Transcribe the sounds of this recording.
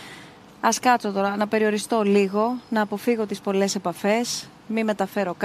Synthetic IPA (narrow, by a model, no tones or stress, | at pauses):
ɐskɐt͡so̞t̪o̞ɾɐnɐpe̞ɾio̞ɾist̪o̞liɣo̞nɐːpo̞fiɣo̞t̪ispo̞le̞se̞pɐfe̞s | mime̞t̪ɐfe̞ɾo̞k